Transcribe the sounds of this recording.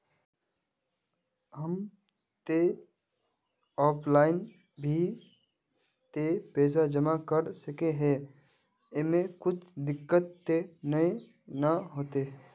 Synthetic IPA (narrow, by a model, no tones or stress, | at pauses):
ɦəm | t̪e | ɔːpʰlaːɪn | bʱi | t̪epɛːs̬ad͡ʒəmakəɾsəkeɦɛ̃ | ɪmẽkʊt͡ʃʰd̪ɪkːət̪ːenəe | nəɦoːt̪eɦ